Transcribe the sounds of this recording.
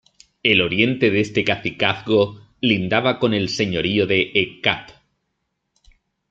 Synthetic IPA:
elo̞ɾje̞nt̪e̞ðe̞st̪e̞kaθikaθɣo̞ | lind̪aβako̞ne̞lse̞ɲo̞ɾio̞ðeʔːkap

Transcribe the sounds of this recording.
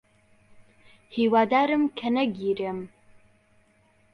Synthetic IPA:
hiːwaːd̪aːɾɨmkʰɐnɐɡiːɾem

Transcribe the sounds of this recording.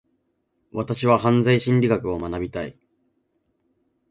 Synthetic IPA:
βat̪aɕiβaɦãnd͡zaiɕĩɲɾʲiɡakɯ̟o̞manabʲit̪aḭ

